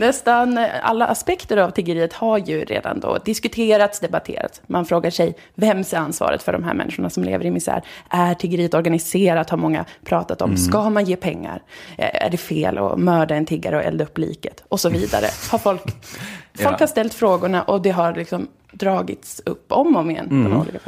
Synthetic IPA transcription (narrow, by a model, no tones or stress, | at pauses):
nɛst̪ana̰lːaʔaspɛkt̪əɾavt̪ʰɪɡəɾiːət̪haɾjɵɾḛːd̪a̰nd̪ɔ̰d̪ɪskɵt̪ʰeːɾat̪sd̪ɛbat̪ʰḛːɾa̰t̪smanfɾoːɡaʂɛj | vɛmsɛɾansvɑ̰ːɾə̰t̪fœ̰ɖɔmɦæ̰ːɾmɛ̰nːɪɧʊɳasɔmlḛːvəɾɪmɪsæ̰ːɾʔæʈʰɪɡəɾiːət̪ɔɾɡanɪseːɾat̪haɾmɔŋːa̰pʰɾɑːt̪at̪ɔmskamanjeːpʰɛŋːa̰ɾæ̰ɖɛfeːlʔɔ̰mœːɖaɛnt̪ʰɪɡːaɾəɔʔɛ̰ld̪aɵpːlḭːkət̪ɔsɔviːd̪a̰ɾə̰haɾfɔlkfɔlkhaɾʂt̪ɛlt̪fɾoːɡʊɳaʔɔd̪ɛɦaɾlɪksɔm | d̪ɾɑːɡɪt̪sɵpːɔmːɔmɪɛ̰nːɔnṵːliːkaf